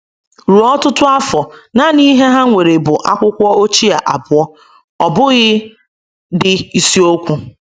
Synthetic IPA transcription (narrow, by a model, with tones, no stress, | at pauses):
ɾu˨ɔ˦tʊ˦tʊ˦a˦fɔ˨na˨ni˦ɦe˦ɦa˦ŋʷe˨ɾe˨bʊ˨ʔa˦kʷʊ˦kʷɔ˦o˦t͡ʃi˦a˨ʔa˨bʊ˨ɔ˦ | ɔ˨bʊ˦ɣɪ˦ | dɪ˨i˨si˦o˦kʷu˦